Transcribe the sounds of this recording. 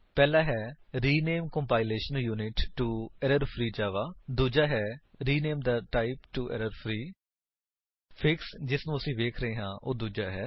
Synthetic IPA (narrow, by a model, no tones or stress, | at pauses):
pɛːlaːɦɛːɾiːneːmkəmpaːɪleːʃənjuːnɪʈːuːɛɾəɾpʰɾiːd͡ʒaːʋaːd̪uːd͡ʒaːɦɛːɾiːneːmd̪aːʈaːɪpʈuːʔɛ̰ɾəɾpʰɾiː | pʰɪksd͡ʒɪsnũːəsĩːʋeːkʰɾəɦeːɦãːʔoːd̪uːd͡ʒaːɦɛː